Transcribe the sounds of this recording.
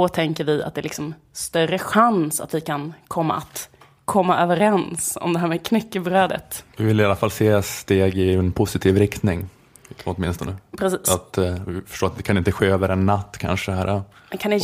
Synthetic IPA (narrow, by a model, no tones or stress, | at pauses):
ɔt̪ʰɛŋkəɾvɪa̰t̪d̪ɛːlɪksɔm | st̪œrəɧansa̰t̪vɪkʰankʰɔmːa̰at̪ | kʰɔmːaʔøːvəɾɛnsɔ̰md̪ɛɦæːɾmɛkʰnɛkːəbɾøːd̪ə̰t̪vɪvɪlɪalːafalːseːst̪eːɡɪɛnpʰʊsɪt̪ʰiːvɾɪkt̪nɪŋ | ɔt̪mɪnst̪ɔnəpʰɾɛsiːsat̪ɪfœ̥ʂʈoːɾat̪d̪ɛkʰanɪnt̪əɧeːøːvəɾɛnːat̪ːkʰa̰nʂəhæːɾa | ɛnkʰand̪ɛ